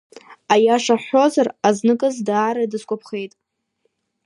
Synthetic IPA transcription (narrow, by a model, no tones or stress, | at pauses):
ajaʂaħo̞zaraznɨkʼɨzdaːɾadɨskʷʼapʰχe̞jtʼ